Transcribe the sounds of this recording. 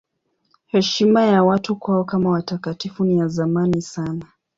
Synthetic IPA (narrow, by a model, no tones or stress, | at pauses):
hɛʃimajawatukwaɔkamawatakatifunijazamanisana